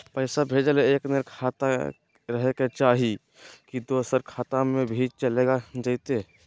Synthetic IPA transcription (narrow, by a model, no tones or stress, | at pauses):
pəɪsabʱeːd͡ʒəleːkneɾkʰaːt̪a | ɾəɦeket͡ʃaːɦi | kid̪oːsəɾkʰaːt̪amebʱid͡ʒt͡ʃəleːɡad͡ʒaɪt̪e